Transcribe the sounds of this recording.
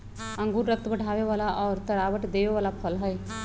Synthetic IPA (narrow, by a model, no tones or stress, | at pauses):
ɐ̃ŋɡuːɾːək̚t̪bɐɽ̤ʱaːʋeʋaːlaʔɔːɾt̪ɐɾaːʋəʈd̪eːʋeʋaːlapʰəlɦəe